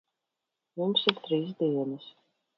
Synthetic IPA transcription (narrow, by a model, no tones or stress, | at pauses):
mumsiɾt̪ɾiːs̬d̪iɛnɐs